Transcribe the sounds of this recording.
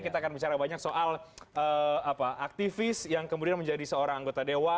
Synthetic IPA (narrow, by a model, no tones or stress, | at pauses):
kit̪aːkanbit͡ʃaɾabaɲaksoʔaləapaʔak̚t̪ifɪsjaŋkəmudianməɲd͡ʒadisəoɾaŋaŋɡot̪adewa